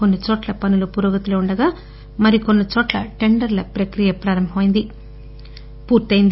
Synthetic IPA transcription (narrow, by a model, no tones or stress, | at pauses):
ko̞nːit͡ʃoːʈlɐpɐnulupuɾoːɡɐt̪uloːuɳɖɐɡaː | mɐɾiko̞nːit͡ʃoːʈlɐʈe̞ɳɖɐɾlɐpɾɐkɾijɐpɾaːɾɐmbʱɐmɐjind̪i | puːɾt̪ɐjind̪